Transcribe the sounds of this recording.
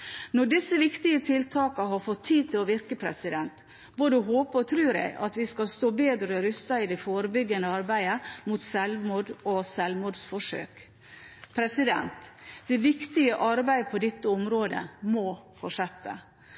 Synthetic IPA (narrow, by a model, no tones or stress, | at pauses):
nɔɖɪsːəʋɪkt̪ɪət̪ʰɪlt̪ʰɑːkɑɦɑɾfɔt̪ʰːiːt̪ʰɪlɔʋɪɾkəpʰɾɛ̰sɪd̪ɛnt̪ | boːd̪əɦoːpəɾɔt̪ʰɾʉːɾæ̰ɪʔɑ̰t̪ʋɪskɑlst̪oːbeːd̪ɾɔɾʏst̪ɑɪd̪ɛfoːɾəbʏɡːənəɑɾbæɪəmut̪sɛlʋmuːd̪ɔsɛlʋmuːd̪sfɔʂø̰ːk | pʰɾɛsɪd̪ɛ̰nt̪d̪̥ɛʋɪkt̪ɪɡəʔɑɾbæɪəpʰɔd̪ɪt̪ːəʊmɾoːd̪ə̰mɔfɔʂɛt̪ːə̰